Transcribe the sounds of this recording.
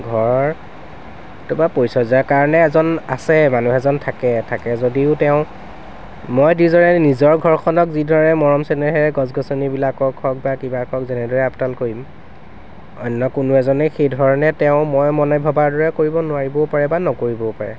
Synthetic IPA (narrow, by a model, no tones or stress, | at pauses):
ɡʱɔɹ | tʊmapojsɔzakaɹɔnɛːzɔnasɛmanuɦɛzɔntʰakɛtʰakɛzodiʊtɛʊ̃ | mɔjdizɔɹɛnizɔɹɡʱɔɹkʰɔnɔkzidʱɔɹɔnɛmɔɹɔmsɛnɛɦɛɹɛɡɔzɡɔsɔnibilakɔkʰːɔk̚bakibakʰɔkzɛnɛdɔɹɛaptalkoɹim | ɔjnːɔkʊnʊɛzɔnɛxejdʱɔɹɔnɛtɛʊ̃mɔjmɔnajbʱɔbaɹdɔɹɛkoɹibɔnʊwaɹibɔpaɹɛbanɔkoɹibɔpaɹɛ̰